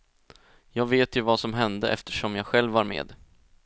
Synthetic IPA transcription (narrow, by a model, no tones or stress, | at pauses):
jɑːɡveːt̪jɵvasɔmɦɛnd̪əʔɛ̰ft̪ə̥ʂɔmjɑːɡɧɛlvːaɾmḛːd̪